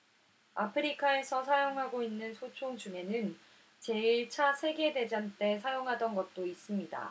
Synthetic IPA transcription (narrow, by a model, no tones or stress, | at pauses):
a̰pʰɯɾikʰae̞sʰʌsʰajoŋɦaɡoinːɯnsʰot͡ɕʰoŋd͡ʑuŋe̞nɯn | t͡ɕe̞iɭt͡ɕʰasʰe̞ɡe̞de̞d͡ʑant͈e̞sʰajoŋɦadʌnɡʌt̚t͈ois͈ɯmɲida̰